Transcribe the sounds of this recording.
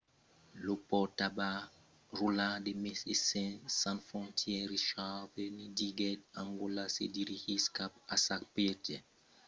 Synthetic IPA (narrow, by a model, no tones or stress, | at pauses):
lopɔtaba | rulãdemesḛsɛ̃sãnfɔ̃ntʰjɛɾiʃaːvenidiɡɛdãŋɡolasḛdiɾihiskapasak̚petɛ